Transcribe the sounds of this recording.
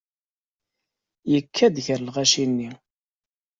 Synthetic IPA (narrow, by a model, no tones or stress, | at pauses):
jəkʰːæd̪çəɾlʁæʃinːi